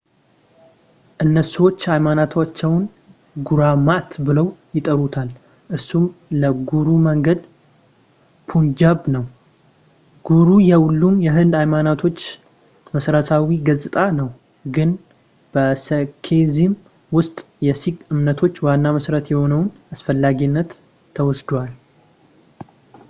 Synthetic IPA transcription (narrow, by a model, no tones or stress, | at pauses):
ʔɨnːəsəwo̞t͡ʃːajmanat̪ʰat͡ʃːɛwn | ɡuɾamaʔt̪bɨləwjɪt̪ʼəɾut̪ʰal | ʔɨɾsumləɡuɾuməŋɡəd̪ | pʰund͡ʒabnəw | ɡ̥uɾujɛwulːumjɛɦɨnd̪ajmanat̪ʰo̞t͡ʃː | məsɾəsawiɡəzʼɨt̪ʼanəw | ɡɨn | b̥əsəkʰezim | wʊst̪ʼ | jɛsiɡɨmnət̪ʰo̞t͡ʃːwanːaməsɾət̪jɛho̞nəwn | asfəlːaɡinːət̪ʰː | əwɔsd̪wal